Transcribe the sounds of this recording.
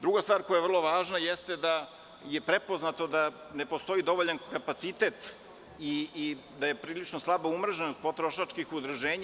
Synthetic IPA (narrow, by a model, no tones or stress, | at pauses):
d̪ɾuɡast̪vaːɾkojajevr̩lˠo̞ʋaːʒnajest̪ed̪a | jepɾepo̞znat̪o̞d̪a | ne̞post̪o̞id̪o̞ʋo̞ʎankapat̪sit̪e̞ːt̪ | i | d̪aje̞pɾiːlit͡ʃnoslˠabaumr̩ʒenost̪pot̪ɾoʃat͡ʃkixud̪ɾuʒeːɲ